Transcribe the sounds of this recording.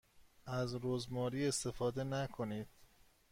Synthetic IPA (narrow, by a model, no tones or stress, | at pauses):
ʔæzɾozmɒːɾiːe̞st̪e̞fɒːd̪e̞nækʰo̞niːd̪̥